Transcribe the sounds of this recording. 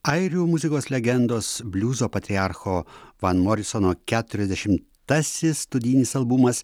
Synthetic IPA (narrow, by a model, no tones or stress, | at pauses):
ɐɪɾʲuːmʊzʲɪkoːslʲɛɡʲɛnd̪oːsbʲlʲuːzoːpɐt̪ʲɾʲiaɾxoːʋɐnmɔɾʲɪsɔnoːkʲæːt̪ʊɾʲɛzd̪ʲɛʃʲɪm | t̪ɐsʲɪsːt̪ʊd̪ʲiːnʲɪsɐlˠbʊmɐs